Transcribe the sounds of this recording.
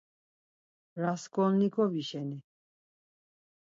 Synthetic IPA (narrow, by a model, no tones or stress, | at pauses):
ɾaskʼɔnnikʰʼɔviʃɛni